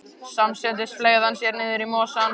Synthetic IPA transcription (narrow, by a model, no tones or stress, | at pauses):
samsɛnt̪ɪsfleːjɣðansjɛɾnɪːðɪɾimɔːsan